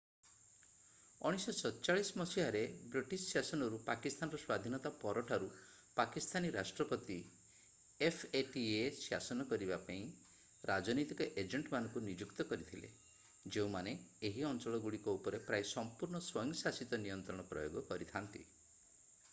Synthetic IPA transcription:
ɔ̰ɽ̃isɔsɔtt͡ʃaɭismɔsiɭaɾebɾiʈissasɔnɔɾupakist̪ʰanɔɾɔswad̪ʱinɔt̪apɔɾɔʈʰaɾu | pakist̪ʰaniɾasʈɾɔpɔt̪i | efʰeʈiesja̰sɔnɔkɔɾibapaĩ | ɾad͡ʒɔnit̪ikɔʔed͡ʒeɳʈmanɔ̃ŋkunid͡ʒukt̪ɔkɔɾit̪ʰilḛ | d͡ʒeũmaneːɦiɔnt͡ʃɔɭɔɡuɽikɔupɔɾepɾajsɔmpuɾɳɔswɔj̃ŋɡsasit̪ɔnijɔnt̪ɾɔɽ̃ɔpɾɔ̰joɡɔkɔɾit̪ʰant̪ḭ

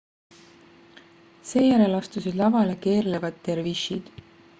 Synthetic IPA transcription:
se̞ːjæɾe̞lɑst̪usid̪lɑvɑleke̞ːrlevɑd̪ːe̞rviʃid̪̥

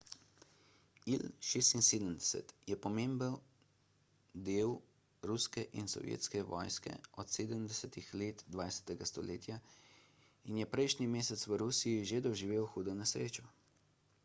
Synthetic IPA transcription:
ilʃeːst̪inseːd̪əmd̪ɛsɛ̰t̪jɛpɔmeːmbən | d̪eːw | ɾuskɛʔinsɔ̰ʋjḛt̪skɛʋɔ̰ːjskɛ̰ɔt̪seːd̪əmd̪ɛsɛt̪ixleːt̪d̪ʋaːjsɛ̥t̪ɛɡast̪ɔlḛːt̪ja | injɛpɾɛjʃnimeːsɛt̪sʋəɾuːsijiʒed̪ɔʒiʋeːwxuːd̪ɔnɛsɾeːt͡ʃɔ

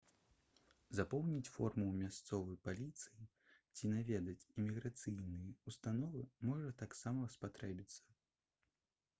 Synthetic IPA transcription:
zapɔwnʲit͡sʲfɔrmumʲast̪sɔvɐjpalʲit̪sɨji | t͡sʲinavʲɛd̪ɐt͡sʲimʲiɣɾat̪sɨjnɨjɛust̪anɔvɨmɔʐɐt̪aksamɐspat̪ɾɛbʲit̪sːɐ̥

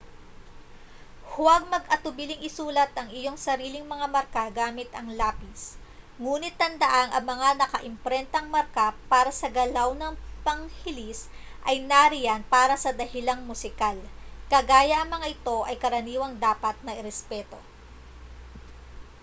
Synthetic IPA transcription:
hʊwɐɡ̚mɐɡʔɐt̪ʊbilɪŋɪsuːlɐt̪ʔɐŋɪjo̞ŋsɐɾiːlɪŋmɐŋamɐɾkaɡaːmɪt̪ɐŋlaːpis | ŋuːnɪt̪ːɐnd̪ɐʔaŋɐŋmɐŋanɐkɐʔɪmpɾɛnt̪ɐŋmɐɾkapaːɾɐsɐɡɐlawnɐŋpɐŋhɪlis | ʔɐjnaɾɪjanpaːɾɐsɐd̪ɐhɪlaŋmʊsɪkalkɐɡaːjɐʔɐŋmɐŋaʔɪt̪o̞ʔɐjkɐɾɐniːwɐŋd̪aːpɐt̪̚nɐʔɪɾɛspɛːt̪o̞

